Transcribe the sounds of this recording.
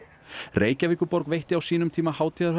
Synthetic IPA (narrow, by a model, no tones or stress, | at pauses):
reːjcaviːkʏɾpɔɾkvejht̪ɪawsiːnʏmt̪ʰiːmahaːwt̪ʰiːðaɾh